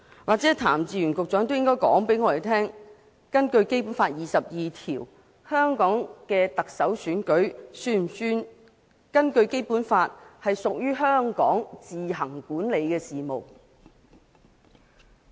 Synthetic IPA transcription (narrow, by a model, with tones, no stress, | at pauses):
waː˨k̚t͡sɛː˨˥t̪ʰa̰ː˨˩mt͡siː˨˧ɥy˨˩nkʊ˨k̚t͡ʃœː˨˥ŋt̪o˥wjɪ˥ŋkɔː˥jkɔ̰ː˨˥ŋpe˨˥jŋɔː˧ɾe˨˩t̪ʰɛː˥ŋ | kɐ˥nkɵ˧ɥke˥jpu˨˥nfaː˧t̚jiː˨sɐ˨p̚jiː˨t̪ʰiː˨˩w | hœː˥ŋkɔː˨˥ŋkɛː˧t̪ɐ˨k̚sɐ˨˥wsyː˨˥nkɵ˨˥ɥsyː˥˨syː˥n | kɐ˥nkɵ˧ɥke˥jpuː˨˥nfaː˧t̚hɐ˨jsʊ˨k̚jyː˥ɦœː˥ŋkɔ̰ː˨˥ŋt͡siː˨ɦɐ˨˩ŋkuː˨˥nle˨˧jkɛː˧siː˨mo̰˨w